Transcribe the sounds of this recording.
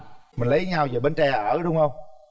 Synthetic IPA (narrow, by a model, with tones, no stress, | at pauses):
mï˨˩ŋ̟lə˨˦jɲaː˧wzəː˨˩ɓe˧nt͡ɕɛ˧˩ʔəː˧˩ɗʊ˨˦ŋ͡mhə˧wŋ͡m